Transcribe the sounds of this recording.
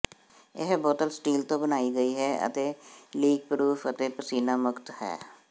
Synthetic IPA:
ɪɦbɔːt̪əlsʈiːlt̪õːbənaːiːɡəiːɦɛːə̰t̪eːliːɡ̚pɾuːfʰət̪eːpəsiːnaːmʊkt̪hɛ̰ː

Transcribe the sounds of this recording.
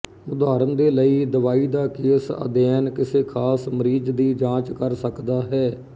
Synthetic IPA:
ʊd̪aːɾənd̪eːləiːd̪əʋaːiːd̪aːkeːsə̰d̪ɛːnkɪseːkʰaːsməɾiːd͡ʒd̪iːd͡ʒãːt͡ʃkəɾsəkd̪aːɦɛː

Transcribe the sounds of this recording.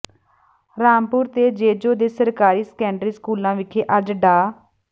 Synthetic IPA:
ɾaːmpʊːɾt̪eːd͡ʒeːd͡ʒoːd̪eːsəɾkaːɾiːskɛ̃ːɳɖɾiːskuːlãːʋɪkʰeːʔəd͡ʒɖaː

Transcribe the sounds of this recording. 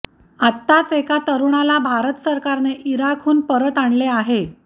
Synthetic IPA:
at̪ːat͡sekat̪əɾuɳalabʱaɾət̪səɾkaɾneʔiɾakʰuːnpəɾət̪aɳleaɦe

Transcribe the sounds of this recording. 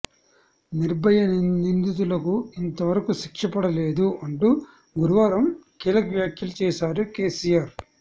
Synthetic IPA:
niɾbɐjɐnnind̪it̪̬ulɐkuint̪ɐʋɐɾɐkuʃikʂɐpɐɽɐle̞ːd̪uɐɳʈu | ɡuɾuʋaːɾɐmkiːlɐkʋjaːkʰjɐlut͡ʃɛːʃaːɾukeːsijaːɾ

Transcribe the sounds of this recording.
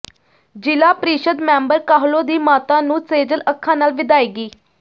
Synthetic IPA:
d͡ʒɪlaːpɾiːʃəd̪mɛ̃ːmbəɾkaːɦloːd̪iːmaːt̪ãːnũːseːd͡ʒələkʰːãːnaːlʋɪd̪aːiːɡiː

